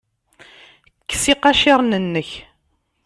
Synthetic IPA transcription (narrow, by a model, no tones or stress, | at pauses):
kːsiqɑʃɪɾˤnənːəç